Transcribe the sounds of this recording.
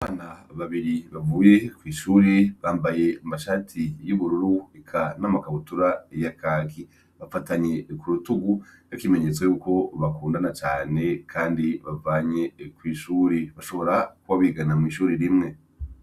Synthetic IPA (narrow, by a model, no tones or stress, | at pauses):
aβaːnaβaβiɾiβavuːje̞kwiːʃuːɾeβaːmbaje̞amaʃaːtʰijuβuɾuɾuikʰanamakaβutuɾajakʰaːki | βafataɲe̞kuɾutuɡujakime̞ɲe̞t͡swejuːko̞βakuːndanat͡ʃaːne̞kʰaːndiβavaːɲe̞kwiːʃuːɾeβaʃo̞βo̞ɾakuβaβiɡanamŋiːʃuːɾiɾimŋe̞